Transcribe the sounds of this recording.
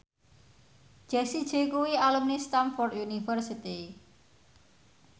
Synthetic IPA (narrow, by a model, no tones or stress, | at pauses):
d͡ʒ̥ɛsid̥ʒ̥e̤kuwialumnist̪amfɔrd̪unifərsit̪i